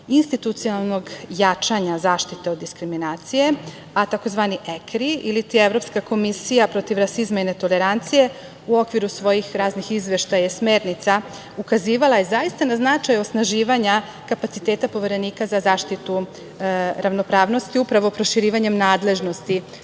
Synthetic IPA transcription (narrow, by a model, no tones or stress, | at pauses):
inst̪it̪ut̪sionalˠno̞ɡjat͡ʃaɲazaːʃt̪it̪eo̞d̪ːiskɾiminaːt̪sije̞ | at̪ako̞zʋaːniʔekɾiilit̪ieʋɾo̞pskako̞misijapɾo̞t̪iʋɾasizmainet̪o̞le̞ɾant̪sije̞ | uo̞kʋiɾusʋo̞jixɾaːznixizʋe̞ʃt̪ajaesme̞ːɾnit̪sa | ukaziːʋalˠaje̞zaist̪anaznat͡ʃajo̞snaʒiːʋaɲa | kapat̪si̥t̪e̞ːt̪apo̞ʋe̞ɾe̞niːkazazaːʃt̪it̪u | ɾaʋno̞pɾaːʋno̞st̪iupɾaʋopɾo̞ʃiɾiːʋaɲe̞mnaːd̪le̞ʒno̞st̪i